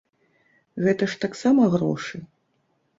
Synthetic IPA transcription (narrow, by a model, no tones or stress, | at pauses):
ɣɛt̪ɐʂt̪aksamɐɣrɔ̰ʂɨ